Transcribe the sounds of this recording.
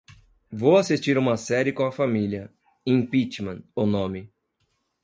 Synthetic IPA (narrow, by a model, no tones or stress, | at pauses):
vowasist͡ʃiɾũmɐsɛɾɪkõw̃ɐfamiliɐ | ẽj̃pit͡ʃmɐ̃onõmɪ